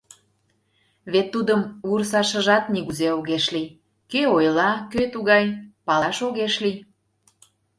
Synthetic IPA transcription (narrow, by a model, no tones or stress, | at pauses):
βet̪ːud̪əmursɑʃə̆ʒɑt̪̚niɣuzeoɣeʃlij | køojlɑkøt̪uɣɑjpɑlɑʃoɣeʃlij